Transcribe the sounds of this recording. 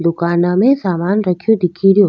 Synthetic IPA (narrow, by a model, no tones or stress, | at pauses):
d̪ukanamesamaːnɾakʰijɔd̪ikʰiɾio